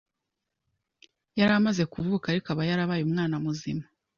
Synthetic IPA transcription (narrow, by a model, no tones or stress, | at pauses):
jaɾamaze̞kuvuːkaɾikaβajaɾaβajumŋaːnamuzḭma